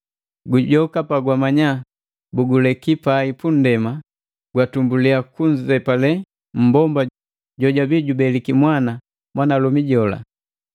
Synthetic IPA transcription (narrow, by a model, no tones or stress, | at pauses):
ɡuɟɔkapaɡwamaɲa | buɡulɛkipaipun̩dɛma | ɡ̥watumbuliakuɲzzɛpalɛ | m̩bɔmba | ɟɔɟabiɟubɛlikimwana | mwanalɔmiɟɔla̰